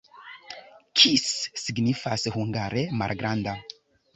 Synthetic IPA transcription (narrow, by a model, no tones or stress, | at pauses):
kʰisːiɡnifashuŋɡaɾema̰lɡɾʔanda